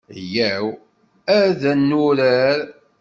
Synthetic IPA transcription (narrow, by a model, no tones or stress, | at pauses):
jæw | æɾðænːʊɾæɾ